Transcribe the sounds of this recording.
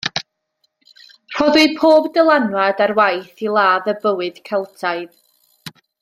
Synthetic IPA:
r̥ɔðɨ̥pʰoːbdəlˠanwadarwajθilˠaːðəbəwɨd̥kʰɛlˠtʰaɨð

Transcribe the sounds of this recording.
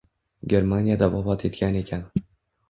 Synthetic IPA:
ɡʲe̞ɾmanijad̪avɒvɒt̪ʰe̞t̪kʲʰane̞kʲʰan

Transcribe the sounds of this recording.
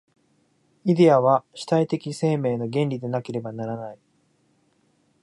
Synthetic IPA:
id̪e̞aβaɕi̥t̪ait̪e̞kʲise̞ːme̞ːno̞ɡẽ̞nɾʲid̪e̞nake̞ɾe̞banaɾanai

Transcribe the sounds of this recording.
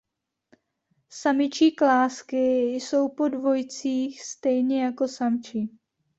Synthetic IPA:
samɪt͡ʃiːklaːskɪjso̞wpo̞dvo̞jt͡siːxst̪ɛjɲɛjako̞samt͡ʃi

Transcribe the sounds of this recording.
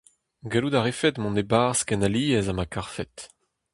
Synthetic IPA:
ɡeludaʁefɛt̪mɔ̃nebaʁskɛnaliːɛzamakaʁfɛt̪

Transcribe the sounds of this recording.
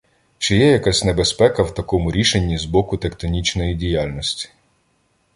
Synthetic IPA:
t͡ʃɪjɛjɐkasʲne̞bespɛkɐwt̪ɐkɔmʊɾʲiʃenʲːizbɔkʊt̪ekt̪ɔnʲit͡ʃnɔjidʲijalʲnɔsʲtʲi̥

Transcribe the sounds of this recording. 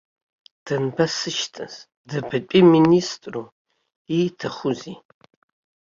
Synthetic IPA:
d̥ʰɐnpʰɐsɨʃtʰʼɐz | dɐpʰɨpʼiministʼru | itʰɨχʷʊziː

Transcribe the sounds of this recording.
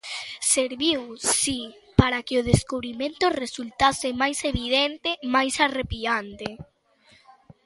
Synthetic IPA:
seɾβiwsi | paɾakeʊð̞eskuβɾimẽnt̪ʊresult̪asɪmajseβið̞ent̪emajsarepiant̪e

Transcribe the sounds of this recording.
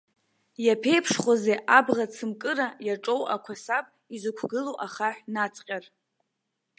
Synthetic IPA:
japʰe̞jpʰʂχʷazeʔabʁat͡sʰɨmkʼɨrajaʈ͡ʂʼo̞wʔa̰kʷʰasapʼ | izɨkʷʰɡɨloʔaχaħʷnat͡sʰʼqʲʼar

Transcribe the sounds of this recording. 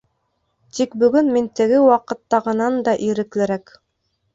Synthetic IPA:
t̪ikbɵ̆ɡɵnmint̪ɘ̆ɡɘwɑqɤ̆t̪ːɑʁɤ̆nɑnd̪ɑʔiɾɘ̆klɘ̆ɾæk

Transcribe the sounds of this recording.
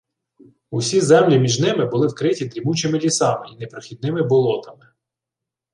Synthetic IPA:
usʲizɛmlʲimʲiʒnɪmɪbʊlˠɪwkɾɪtʲid̪ɾʲimut͡ʃɪmɪlʲisɑmɪinepɾɔxʲid̪̚nɪmɪbɔlˠɔt̪ɐmɪ

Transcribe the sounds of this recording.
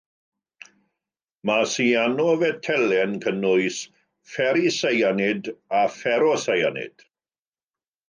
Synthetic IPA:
masianɔvɛtʰɛlɛnkʰənʊɨs | fɛɾisejanɪdafɛɾɔsajanɪ̰d̥

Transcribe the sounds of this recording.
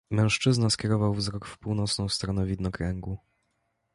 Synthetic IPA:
mɛ̃w̃ʂt͡ʂɘznaskʲɛɾɔvawvzɾɔkfpuwnɔt̪snɔ̃w̃st̪ɾɔnɛvʲid̪nɔkɾɛŋɡu

